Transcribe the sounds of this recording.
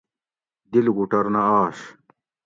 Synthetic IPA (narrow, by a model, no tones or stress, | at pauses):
d̪ilɡuʈɐɾnɐaːʂ